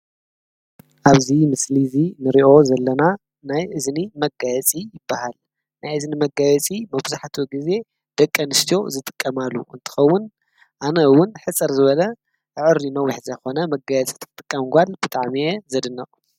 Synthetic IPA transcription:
ʔaβzimɨslizinɨɾiʔo̞zɐlːɐna | najʔɨznimɐɡajɛt͡sʼijɪbːahal | najɨznimɐɡajɛt͡sʼimɐbzaħt̪ʰuɡize̞ | d̪̥ɐkʼːɐnɨst̪ʰijo̞zɨt̪ʼɨ̥kʼːɐmalːuʔɨ̰nt̪ʰɨ̥xɐwːʊn | ʔanɐwʊnħɨt͡sʼɐɾzɨβɐlɐ | ʔʕɨɾinɐwiħzɐjxo̞nɐmɐɡajɛt͡sʼi̥t̪ʰɨ̥t̪ʼɨkʼːɐmɡʷalb̥ɨt̪ʼaʕmijezɐd̪ɨnːɐʔʼ

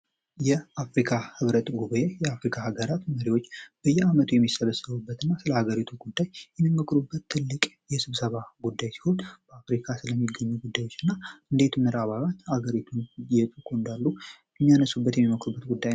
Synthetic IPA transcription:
jɛʔafɾikʰahɨβɾət̪ʼɡuβəjejɛafɾikʰahaɡəɾat̪məɾiwo̞t͡ʃːb̥əjːɛamət̪ʰujɛmːisəβəsːəβubːət̪ʰɨnːasɨləhaɡəɾit̪ʰuɡud̪ːajjɛmːiməkʰʼɾubːət̪ʰːɨlːɨkʼ | jɛsɨβsəβaɡud̪ːajsi̥ho̞nb̥əafɾikʰasɨləmːiɡːəɲːuɡud̪ːajwo̞t͡ʃːɨnːaɨnd̪e̞t̪ʰumːɨɾaβalat̪ːhaɡəɾit̪ʰunjɛt̪ʼukʰond̪alːujɛmːijanəsubːət̪jɛmːiməkʰʼɾubːət̪ɡud̪ːajn

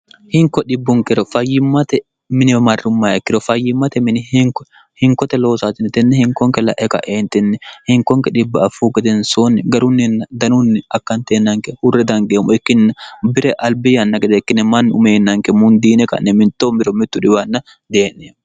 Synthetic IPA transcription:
hɪŋkɔᶑɪbːʊŋkɪɾɔfɐjːɪmːɐt̪ɛ | mɪnɪmɐrːʊmːaːɛkːɪɾɔfɐjːɪmːɐt̪ɛmɪnɪhɪŋkɔ | hɪŋkɔt̪ɛloːsaːt̪ɪnt̪ɪnːɛhɪŋkɔŋkɛlɐ̰ʔɛkɐ̰ʔeːnt̪ɛnːɛhɪŋkɔŋkɛᶑɪbːɐɐfuːɡɛd̪ɛnsonːɛɡɐɾʊnːɛnd̪ɐnʊnːɪɐkːɐnt̪eːnːɐŋkɛhʊrːɛd̪ɐŋɡeːmːɔɛkːɪnnbɪɾɛʔɐlbɪjɐnːɐkɛd̪ɛɛkːɪnːɛmɐnːʊmeːnːɐŋkɛmʊnd̪iːnɛkɐ̰nːɛmɪnt̪ːoːmɪɾɔmɪt̪ːʊᶑɪbɐnːɐ | d̪eːnːɛ

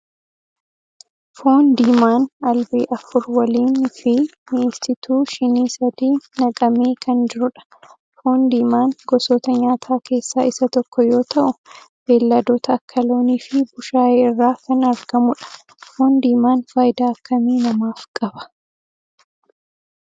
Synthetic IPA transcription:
fo̞ːnd̪iːmaːnɐlbeːʔɐfʊɾwɐliːnfɪmɪest̪ɪt̪uːʃɪniːsɐd̪iːnɐkʼɐmeːkʰɐnd͡ʒɪɾʊᶑɐ̥ | fo̞ːnd̪iːmaːnɡɔsoːt̪ɐɲaːt̪ʰaːkʰe̞ːsːaːʔɪsɐt̪ɔkːɔjo̞ːt̪ɐʔʊ | b̥e̞ːlːɐd̪oːt̪ɐːkʰːɐlo̞ːniːfɪbʊʃaːjeːɪrːaːkɐnɐɾɡ̥ɐmʊᶑɐ̥ | fo̞ːnd̪iːmaːnfaːjd̪aːɐkːɐmiːnɐmaːfkʼɐbɐ̥

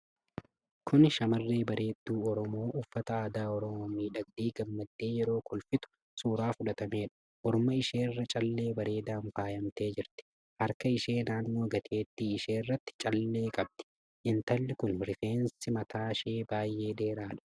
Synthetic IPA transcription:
kʰʊnʃɐmɐrːe̞ːbɐɾʔe̞ːd̪ːuːɔɾɔmo̞ːʔʊfːɐt̪ɐaːd̪aːɔɾɔmoːmiːᶑɐɡ̚d̪iːɡɐmːɐd̪ːe̞ːjɛɾo̞ːkʊlfɪt̪ʊ̥ | suːɾaːfʊᶑɐt̪ɐmeːᶑɐ̥ | ʔɔɾʊmɐɪʃe̞ːrːɐt͡ʃʼɐlːe̞ːbɐɾe̞ːd̪aːnfaːjɐmt̪e̞ːd͡ʒɪɾt̪ɪ̥ | hɐɾkɐɪʃe̞ːnaːnːo̞ːɡɐt̪ʰeːt̪ːiːɪʃeːrːɐt̪ːɪ̥t͡ʃʼɐlːe̞ːkʼɐb̚d̪̥ɪ̥ | ʔɪnt̪ɐlːɪkʊnɾɪfe̞ːnsɪmɐt̪aːʃeːbaːjːe̞ːd̪eːɾaːᶑɐ̥

